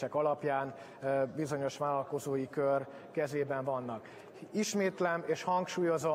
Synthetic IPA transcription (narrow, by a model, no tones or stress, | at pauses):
ɛkɒlɒpjaːn | bizo̞ɲo̞ʃʋaːlɒlko̞zoːjikør | kɛzeːbɛɱvɒnːɒk | iʃmeːt̪lɛmeːʃhɒŋkʃuːjo̞zo